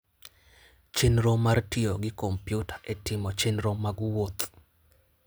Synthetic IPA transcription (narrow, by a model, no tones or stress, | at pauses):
t͡ʃenɾomartioɡɪkompjutḁʔetɪmɔt͡ʃenɾomaɡwot̪